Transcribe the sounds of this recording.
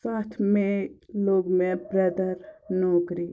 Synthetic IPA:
saːt̪ʰmẽloːɡmẽpɾɛd̪əɾnɔːkɾi

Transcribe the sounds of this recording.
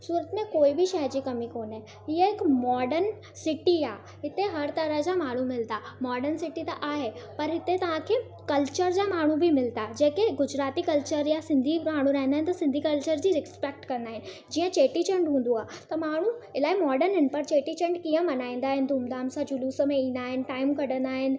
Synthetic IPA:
suːɾət̪mẽkoːibɪʃɐjd͡ʑiːkɐmikoːnẽ | ɦiəɪkmɔːɖəɾn | sɪʈiaː | ɦɪt̪eɦɐɾt̪ɐɾəɦd͡ʑamaːɽ̤̃umɪlt̪amɔːɖənsɪʈit̪ɐʔaːɦepɐɾɦɪt̪et̪ɐʋ̤ãkʰeː | kɐlt͡ɕəɾd͡ʑaːmaːɽ̤̃ubʱimɪlt̪ad͡ʑeːkeɡʊd͡ʑɾaːt̪ikɐlt͡ɕəɾjasɪ̃nd̪ʱiaːɽ̤̃uɾɐɦnd̪aːɦɪnɪt̪ɐsɪ̃nd̪ʱikɐlt͡ɕəɾd͡ʑiːɾɪkspek̚ʈkɐ̃nd̪aːɦɪnɪ̆ | d͡ʑiːə̃t͡ɕeːʈit͡ɕɐ̃ɳɖɦũːn̆d̪uaːɦt̪ɐmaːɽ̤uɪlaːimɔːɖənɦɪnpɐɾt͡ɕeːʈit͡ɕɐ̃ɳɖkiːə̃mɐnaːĩːn̆d̪aːɦɪnɪ̆d̪ũːmd̪aːmsãd͡ʑʊluːsə̆mẽĩn̆d̪aːɦɪnɪ̆ʈaːɪmkɐɽə̃nd̪aːɦɪnɪ̆

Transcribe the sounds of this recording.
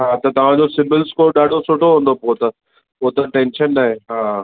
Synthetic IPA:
ɦaːt̪ɐt̪ɐʋ̤ãd͡ʑosɪmbɪlzkoːɗaːɖʱosʊʈoɦũːnd̪opoːt̪ɐ | poːt̪ɐʈɛ̃ːnʃənːaːɦẽɦaː

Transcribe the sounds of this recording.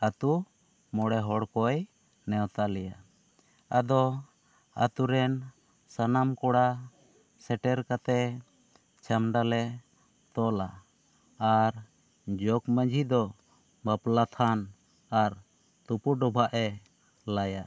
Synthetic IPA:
at̪u | mɔɽɛɦɔɽkɔj | nɛwt̪alɛja | ad̪ɔ | a̰t̪uɾɛn | sanamkɔɽa | sɛʈɛɾkat̪ɛ | t͡ʃʰamɖalɛ | t̪ɔlaː | ɾ | d͡ʒɔkməd͡ʒʱid̪ɔ | baplat̪ʰan | aɾ | t̪upuɖɔbʱaʔɛ | laja

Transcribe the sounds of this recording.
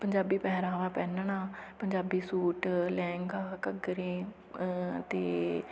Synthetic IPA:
pəɲd͡ʒaːbiːpɛɦɾãːʋaːpɛːnnaːpəɲd͡ʒaːbiːsuːʈlɛ̃ːŋɡaːkəɡɾẽː | t̪eː

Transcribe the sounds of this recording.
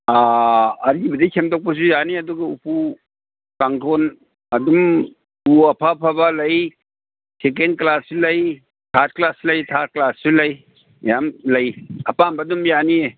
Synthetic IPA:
aːɾɡibɐdikʰemtɔk̚pɐs̬ujaniɐduɡaupu | kaŋtʰon | ɐdum | uɐpʰapʰabalɐj | sek̬endklasːulɐj | tʰat̚klaslɐjtʰat̚klassulɐj | jamlɐjɐpambadumjanie

